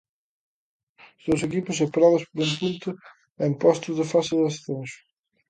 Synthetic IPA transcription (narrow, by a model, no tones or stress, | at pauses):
sðewsekipʊsepɾaðʊspoɾempunt̪ʊ | aimpɔst̪ʊzðɪfasɪðast̪enʃʊ̥